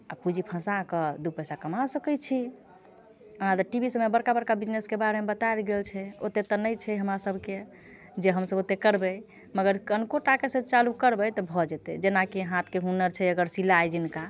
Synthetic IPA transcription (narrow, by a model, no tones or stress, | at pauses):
apud͡ʒʱipʰə̃sakəd̪upəjsakəmasəkəjt͡ʃʰi | əad̪ʈibʱisəmebəɾkabəɾkabid͡ʒneskebaɾemebət̪aelɡelt͡ʃʰɛot̪et̪ɔnəjt͡ʃʰɛɦəmɾasəbʱke | d͡ʒeɦəmsəbot̪ekəɾbəj | məɡəɾkənkoʈakesẽt͡ʃalukəɾbəjt̪ɔbʱɔd͡ʒɛt̪ɛ̰d͡ʒenakeɦãt̪ʰkeɦunəɾt͡ʃʰɛəɡəɾsilajd͡ʒinka